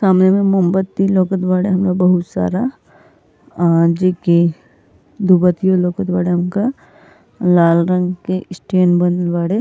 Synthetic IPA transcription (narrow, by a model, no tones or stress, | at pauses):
saːmnemẽmʊmbət̪ːiloːkət̪baːɽeɦɐmlabɐɦʊt̪sa̰ːɾa | d͡ʒeːki | d̪ʱubət̪ijoloːkət̪baːɽeɦɐmka | laːlɾə̃ŋɡkesʈeːnbənʋaːɽe